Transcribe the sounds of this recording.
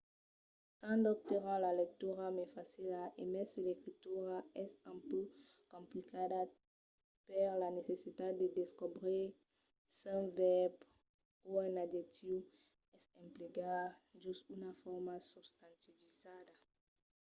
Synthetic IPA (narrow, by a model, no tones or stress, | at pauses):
sãd̪ɔp̚t̪eʁãlalɛk̚t̪yʁamɛfasilaʔemɛ̃silekχit̪yʁaɛsɛ̃py | kɔ̃mplikad̪a | pɛʁlanesesit̪ad̪ed̪eskobʁi | sɛ̃vɛb | uɛ̃nadet̪iw | ɛsɛ̃mpliɡaʒystynafɔʁmasubst̪ãnt̪ivizad̪a